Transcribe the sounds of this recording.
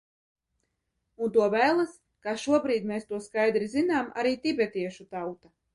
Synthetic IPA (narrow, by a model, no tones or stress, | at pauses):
unt̪uɔvæːlˠas | kaːʃuɔbɾiːd̪meːst̪uɔskajd̪ɾizinaːmʔa̰ɾiːt̪ʲibʲɛt̪iɛʃut̪awt̪a